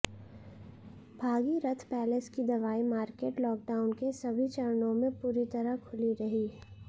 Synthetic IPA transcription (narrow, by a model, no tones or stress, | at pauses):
bʱaːɡiɾɐt̪ʰpɛːleskid̪ɐʋaːimaːɾkeːʈlɔːk̚ɖaːʊnkesɐbʱit͡ʃɐɾnõmẽpuːɾit̪ɐɾəkʰʊliɾɐɦiɦɛ